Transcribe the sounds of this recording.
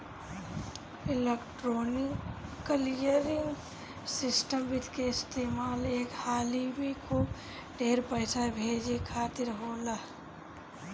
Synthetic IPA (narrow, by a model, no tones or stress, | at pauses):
ɪlekʈɾonikkːəlijəɾɪŋɡ | sɪsʈəmbit̪keɪst̪eːmaːleːkhaːlibʱikʰub | ɖʱeːɾpəɪsabʱeːd͡ʒekʰaːt̪ɪɾɦoːla